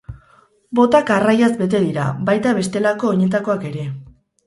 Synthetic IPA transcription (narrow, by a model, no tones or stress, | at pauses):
bo̞t̪akarajazbe̞t̪e̞ðiɾa̰βajt̪aβ̞e̞st̪e̞lako̞ːɲe̞t̪̬ako̞ake̞ɾe̞